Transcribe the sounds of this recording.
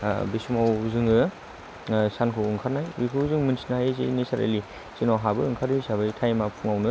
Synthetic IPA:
bisumawuzɯŋɯ | sankʰɯwɯŋkʰaɾnajbikʰɯuzɯŋmɯnsinajezenesaɾḛli | sinɔɦabɯɯŋkʰaɾɯsaβɯjtʰajmapʰuŋawnɯ

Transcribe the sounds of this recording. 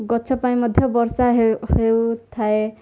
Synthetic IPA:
ɡɔtːsʰɔpaĩmʌd̪ʱjɔbɔɾsaɦeɦewt̪ʰae

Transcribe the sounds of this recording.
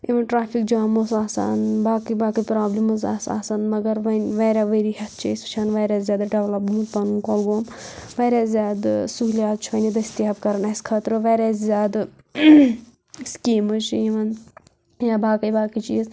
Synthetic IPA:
iʋɐnʈɾaːpʰikd͡ʒaːmosaːsa̰ːnbaːkɐjbaːkɐjpɾaːblimɐza̰ːsa̰ːsaːnmɐɡɐɾʋɐnʲʋɐːɾʲaʋeɾihɐt̪̚ʰt͡ʃʰeːsɐt͡ʃʰaːnʋɐːɾʲaːzʲjaːd̪ɖɐʋlɐpmut̪pɐnunkoːlɡoːm | ʋɐɾʲaːzʲjaːd̪suɦlʲjaːt̪̚t͡ʃʰʋɐnid̪ɐisʲt̪iɦɐbkɐɾɐnɐskʰɐt̪ɾɨʋɐːɾʲaːzzʲjaːd̪ | skiːmɨt͡ʃʰiʋɐn | jaːbaːkɐjbaːkɐt͡ʃḭːz

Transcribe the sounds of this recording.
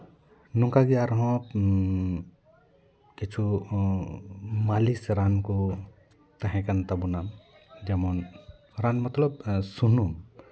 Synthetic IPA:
nũŋkaɡiaɾɦɔ̃ | ket͡ʃʰu | malisɾanku | t̪ɐɦɛ̃kɐnt̪ɐbunam | d͡ʒɐmɔn | ɾanmɐt̪ləbsunum

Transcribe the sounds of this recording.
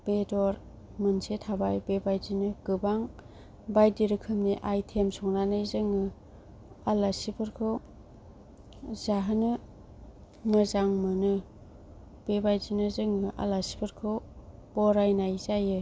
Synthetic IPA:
b̥edɔɾ | mɯnsetʰabajbebajzinɯkɯbaŋ | bajdiɾɯkʰɯmniʔajtʰemsɔŋnanɯjzɯŋɯ | alasipʰɯɾkʰɯw | zaɦɯnɯ | mɯzaŋmɯnɯ | b̥ebajzinɯzɯŋɯʔa̰lasi̥pʰɯɾkʰɯwb̥ɔɾajnajzajɯ

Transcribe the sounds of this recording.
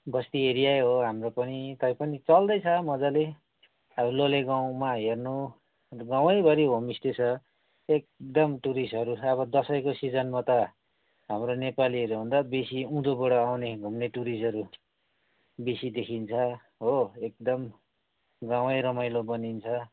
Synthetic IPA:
bʌst̪ieɾijaɦoɦamropʌnit̪ʌj̃pʌnit͡sʌld̪ʌjt͡sʰʌmʌd͡zale | ʌbloleɡaw̃maɦernu | ɡaw̃ʌjbʱʌɾiɦomist̪et͡sʰʌ | ek̚d̪ʌmʈuɾisɦʌɾuʌbʌd̪ʌsʌjkosid͡zʌnmat̪ʌ | ɦamronepaliʌɾuɦũnd̪abesiũd̪obʌɽʌawneɡʱumneʈuɾisʌɾu | besid̪ekʰint͡sʰʌ | ɦoek̚d̪ʌm | ɡaw̃ʌjɾʌmʌjlobʌnint͡sʰʌ

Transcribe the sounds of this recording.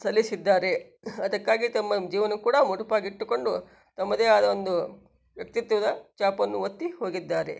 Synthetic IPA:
sɐlːisid̪ːaːɾe̞ | ɐd̪ɐkːaːɡit̪ɐmːɐd͡ʒiːʋɐnɐkuːɽɐmuɽupaːɡiʈːuko̞ɳɖu | t̪ɐmːɐd̪e̞ːaːd̪ɐond̪u | ʋjɐk̚t̪it̪ʋɐd̪ɐt͡ʃaːpɐnːuʋɐt̪ːiho̞ːɡid̪ːaːɾe̞̰

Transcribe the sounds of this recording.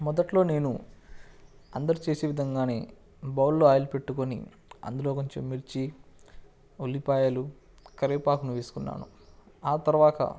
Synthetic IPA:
mɔd̪ɐʈlo̞ːne̞ːnu | ɐnd̪ɐɾut͡ʃe̞ːseːʋid̪ʱɐŋɡaːne̞̰ː | bɐwlːoːaːjlupe̞ʈːukonḭ | ɐ̰nd̪ulo̞ːkoɲt͡ʃḛmːiɾt͡ʃi | olːipaːjɐlu | kɐɾeːpaːkunuʋeːsu̥kunːa̰ːnṵ | aːt̪ɐɾɐʋaːt̪ɐ̰

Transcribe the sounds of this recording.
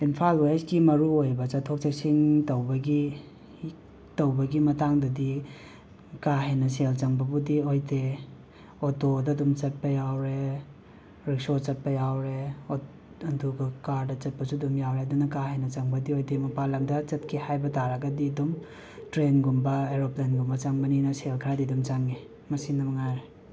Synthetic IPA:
inpʰalwasɡimɐɾuojbɐt͡ʃɐtʰok̚t͡ʃek̚siŋtɐwbɐɡi | tɐwbɐɡimɐtaŋdɐdi | kaɦejnɐs̬elt͡ʃɐŋbɐbudiojte | otodɐdumt͡ʃɐt̚pɐjawɾe | ɾik̚sot͡ʃɐt̚pɐjawɾeo | ɐntʰuɡɐkaɾdɐt͡ʃɐt̚pɐsudumjawɾeɐdunɐkaɦejnɐt͡ʃɐŋbɐdiojtemɐpalɐŋdɐt͡ʃɐt̚kʰihajbɐtaɾɐɡɐdidum | tɾenɡumbɐeɾoplenɡumbɐt͡ʃaŋmɐninɐselkʰɐɾadidumt͡ʃaŋe | mɐsinɐmɐŋajɾe

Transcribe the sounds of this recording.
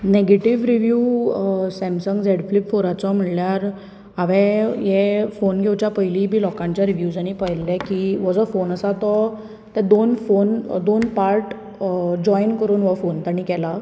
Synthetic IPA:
neɡeʈiʋɾiʋju | sɛ̃msəŋɡd͡zeɽflipfoɾat͡sɔm̤əɭljaɾ | aʋɛ̃jɛfonɡʱewt͡ɕjapəjlibʱiːlɔkãɲt͡ɕjaɾiʋjud͡zaɽ̃ipəjlːɛ̃kiʋɔd͡zɔfonəsat̪ɔ | t̪ɛ̃d̪onfond̪onpaɾʈ | d͡ʑɔinkəɾuːnʋɔfont̪aɽ̃ikɛla

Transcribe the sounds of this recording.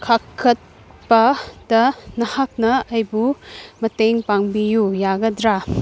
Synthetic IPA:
kʰakʰːɐt̚ | bɐdɐnɐhak̚nɐɐjbumɐteŋpaŋbijujaɡɐdɾa

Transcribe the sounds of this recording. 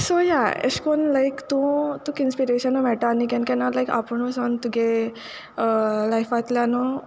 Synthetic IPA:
sojaḛskonlajkt̪ũt̪ukinspiɾeɕənːɔmɛʈaːnikɛ̃nkɛnalajka̰pəɳosɔnt̪uɡe | lajfat̪ljano

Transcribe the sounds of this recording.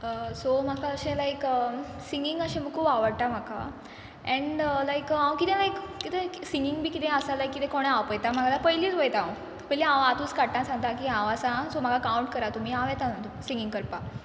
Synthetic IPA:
əsom̤akaəɕẽlajkəsiŋɡiŋɡəɕẽm̤əɡkʰuːpaʋəɽt̪am̤aka̰ | ɛ̃ɳəlajkãʋ̃kit̪ẽlajkkit̪esiŋɡiŋɡbʱiːkit̪ẽəsalajkːit̪ẽkoɽ̃ɛawpəjt̪am̤aɡʱalapəɦjliːt͡sʋəjt̪ã | pəjlẽãʋat̪uːt͡skaʈãsãŋɡ̚t̪akiãʋasãsom̤aɡakawɳʈkəɾat̪um̤iːaʋɛt̪a | siŋɡiŋɡkəɾpa

